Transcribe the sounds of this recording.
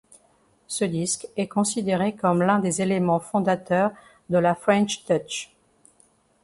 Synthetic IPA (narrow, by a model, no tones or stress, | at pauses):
səd̪iskɛkɔ̃sid̪eʁekɔmlɛ̃d̪ezelemɑ̃fɔ̃d̪at̪œʁ | d̪əlafχɛ̃nʃt̪ɔt͡ʃ